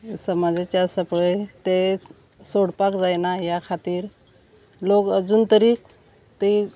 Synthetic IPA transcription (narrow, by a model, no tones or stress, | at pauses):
səmad͡zat͡ɕasəpɭet̪e | soɽpakd͡zajnajakʰat̪iːɾ | lokəd͡zuːnt̪əɾiːk | t̪i